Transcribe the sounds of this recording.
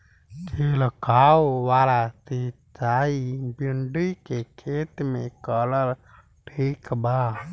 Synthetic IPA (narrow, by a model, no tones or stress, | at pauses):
kʰeləkaoʋaɾat̪i | t͡ʃaibuɳɖujkekʰet̪mekələɾ | ʈʰikba